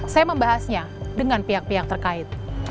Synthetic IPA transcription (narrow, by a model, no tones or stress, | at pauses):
sajaməmbaɦasɲa | dəŋanpiak̚piak̚t̪ərkaɪt̪̚